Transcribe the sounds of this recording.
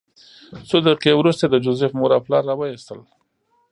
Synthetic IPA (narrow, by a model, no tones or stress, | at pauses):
sod̪əqewɾust̪ad̪əd͡ʒʊzefmoɾɑplɑɾːawajist̪əl